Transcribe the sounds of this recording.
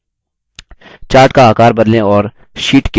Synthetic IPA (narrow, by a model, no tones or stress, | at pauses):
t͡ʃaːɾʈkaaːkaːɾbɐd̪lẽɔːɾ | ʃiːʈk